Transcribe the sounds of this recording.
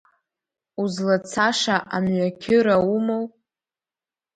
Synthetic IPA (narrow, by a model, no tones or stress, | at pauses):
uzlat͡sʰaʂaʔamɥʷakʲʰɪɾaumow